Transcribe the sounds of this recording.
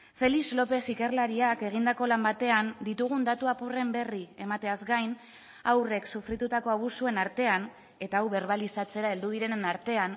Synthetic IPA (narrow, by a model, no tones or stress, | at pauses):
fe̞lizlo̞pe̞sike̞rlaɾiake̞ɣ̞ind̪ako̞lambat̪e̞and̪it̪uɣ̞und̪at̪uapure̞mbe̞rie̞mat̪e̞azɡajn | awre̞ksufɾit̪ut̪ako̞aβ̞usue̞naɾt̪e̞an | e̞t̪aːwβe̞ɾβalisat͡se̞ɾaeld̪uðiɾe̞naɾt̪e̞an